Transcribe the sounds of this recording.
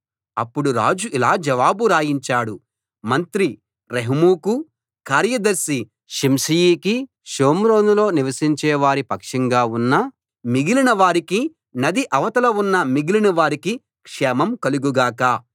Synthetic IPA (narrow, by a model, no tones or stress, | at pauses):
ɐpːuɽuɾa̰ːd͡ʒuʔilaːd͡ʒɐʋaːbuɾaːjiɲt͡ʃaːɽu | mɐnt̪ɾi | ɾeɦmuːku | kaːɾjɐd̪ɐɾsi | ʃimsijiːki | ʃoːmɾoːnulo̞ːniʋɐsiɲt͡ʃɛːʋaːɾipɐkʂɐŋɡaːunːɐ | miɡilinɐʋaːɾiki | nɐd̪iʔɐʋɐt̪ɐlɐunːɐmiɡilinɐʋaːɾiki | kʂɛːmɐmkɐluɡuɡaːkɐ